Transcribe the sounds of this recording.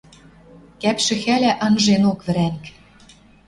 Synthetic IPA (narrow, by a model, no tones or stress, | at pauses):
kæpʃɘ̆xælæʔɑ̆nʒenokvɘ̆ɾæŋk